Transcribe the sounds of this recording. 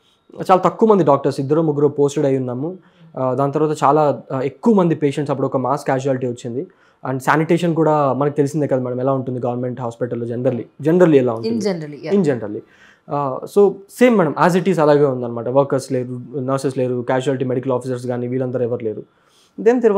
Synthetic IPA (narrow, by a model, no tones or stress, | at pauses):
t͡ʃaːlaːt̪ɐkːuʋɐmɐnd̪iɖaːk̚ʈɐɾsid̪ːɐɾoːmuɡːuɾoːpoːsʈeɽɐjunːaːmu | d̪aːnɐt̪ɐɾʋaːt̪ɐt͡ʃaːlaːekːuʋɐmɐnd̪ipe̞ːʂeɳʈsɐp̬ːuɽuɔkɐmaːskːaːd͡ʒuaːliʈiːʋɐt͡ʃːind̪i | ɐɳɖsaːniʈeːʃɐnkuːɽaːmɐnɐk̬it̪e̞lisind̪ekɐd̪amɛːɽɐmɛlaːuɳʈund̪iɡɐʋɐɾme̞ɳʈɦaːspiʈɐlːod͡ʒeɳɖɐɾlid͡ʒeɳɖɐɾliɛlaːuɳuind͡ʒenɾɐɾlːi | so̞ːse̞ːmːɛːɽɐmʔaːs̬iʈiːs̬ɐlaːɡaːund̪aːnɐmaːʈɐʋɐɾkɐɾsleːɾunɐɾsesle̞ːɾukaːd͡ʒuaːlʈiːmeɽikɐlaːpʰis̬ɐɾs̬ɡaːniːʋiːɭɐnd̪ɐɾuɛʋɐɾle̞ːɾu | d̪eːnt̪iɾuʋ